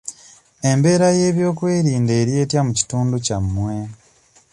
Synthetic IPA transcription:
e̞mbe̞ːɾajeːβjo̞ːkwe̞ːɾiːnde̞ːɾje̞ːtjamuci̥tuːnducamːwe̞

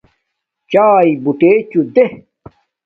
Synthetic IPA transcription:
t͡ɕaːibuʈeːt͡ɕud̪e

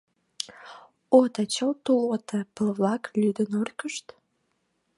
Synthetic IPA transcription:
ot̪ət͡ɕəlt̪ulot̪epəlβlɑklʲyd̪ənurkəʃt̪

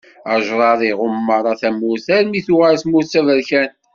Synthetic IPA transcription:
əʒɾˤɑðˤiʁʊmːɑɾˤɑθæmuθæɾmiθʊʁæɾsmusævəɾçæn

